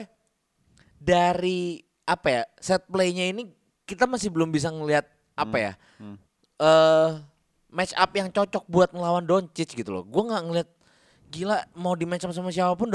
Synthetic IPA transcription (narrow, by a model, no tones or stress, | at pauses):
daɾi | apajasɛt̪̚pleɲaini | kit̪amasɪhbəlʊmbis̬aŋəliat̪̚ | apaja̰ | əː | mɛt͡ʃa̰p̚jaŋt͡ʃɔt͡ʃɔk̚buat̪̚ŋəlawandont͡ʃɪt͡ʃɡit̪ulɔ̰ɡuɛŋɡaʔŋəliɦat̪̚ | ɡilamawdimat͡ʃams̬amas̬iapapʊnd